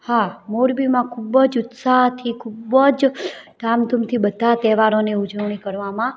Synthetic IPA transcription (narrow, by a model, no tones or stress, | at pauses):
hamoɾbimãkʰubəd͡ʒʊt̪saɦt̪ʰikʰubəd͡ʒdamt̪umt̪ʰibəd̪ʱat̪ɛʋaɾoneud͡ʒəʋɳ̃ikəɾʋamã